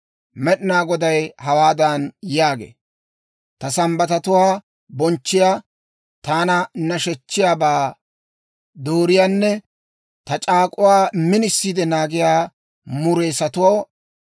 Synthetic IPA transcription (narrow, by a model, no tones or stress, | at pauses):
mɛɗɪnaːɡɔd̪ɐjhɐwaːd̪ɐnjaːɡḛː | t̪ɐsɐmbɐt̪ɐt̪ʊwaː | bɔnt͡ʃːɪjaː | t̪aːnɐnɐʃɛt͡ʃːɪjaːbaː | d̪oːɾɪjaːnːɛ | t̪ɐt͡ʃʼaːkʼʊwaːmɪnɪsːiːd̪ɛnaːɡɪjaː | mʊɾe̞ːsɐt̪ʊwow